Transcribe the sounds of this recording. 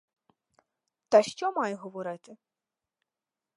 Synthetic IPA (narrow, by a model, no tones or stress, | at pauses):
t̪ɐʃt͡ʃɔmɑjɦɔʋɔɾɪt̪ɪ